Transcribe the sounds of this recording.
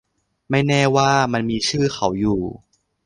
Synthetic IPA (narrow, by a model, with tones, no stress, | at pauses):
ma˥˩jnɛː˥˩waː˥˩ma˧nmiː˧t͡ɕʰɯː˥˩xʰa˩˦wjuː˨˩